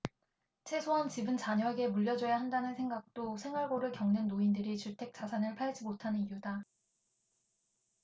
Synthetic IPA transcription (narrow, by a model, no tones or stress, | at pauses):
t͡ɕʰe̞sʰoɦant͡ɕibɯnt͡ɕaɲʌeɡe̞muʎːjʌd͡ʑʌjaɦandanɯnsʰeŋɡak̚t͈osʰe̞ŋwaɭɡoɾɯɭkjʌŋnɯnːoindɯɾit͡ɕuɭtʰe̞k̚t͡ɕ͈asʰanɯɭpʰaɭd͡ʑimotʰanɯnijuda